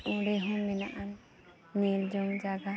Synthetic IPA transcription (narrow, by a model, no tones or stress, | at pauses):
ũɽɛɦɔ̃mmɛnaʔan | nild͡ʒɔŋd͡ʒaɡa